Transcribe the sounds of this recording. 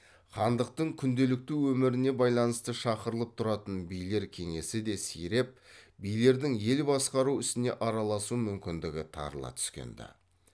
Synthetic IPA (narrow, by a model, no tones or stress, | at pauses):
χɑnd̪əq̚t̪əɴkʲʰʏnd̪e̞lɪk̚t̪ɪwɵmɪɾɪne̞bɑjlˠɑnəst̪əʃɑqəɾəlˠəp̚t̪ʰʊɾɑt̪ənbijle̞ɾkʲʰe̞ŋe̞sɪd̪e̞sḭjɾe̞p̚bijle̞ɾd̪ɪŋje̞lbɑsqɑɾuɪst̪ɪne̞ʔɑɾɑlˠɑsumʏmkʲɪnd̪ɪɡʲɪt̪ʰɑ̰ɾlˠɑ̰t̪ʰʏ̥skʲḛnd̪ɪ̰